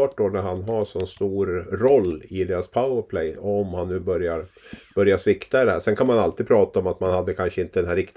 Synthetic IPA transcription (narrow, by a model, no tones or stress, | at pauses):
ɑːʈ̚d̪onæɾhanɦaʂɔnst̪uːɾːɔlːɪd̪eːɾaspʰaʊəɾpʰlɛjɔɔɔmhanːʉ̟ːbœɾjaɾb̥œɾjaʂvɪkt̪aɪd̪ɛɦæ̰ːɾʂɛnkʰanmanalt̪iːd̪pʰɾɑːt̪aɔmat̪manhad̪ːəkʰanʂəɪnt̪əd̪ɛnɦæɾɪkt̪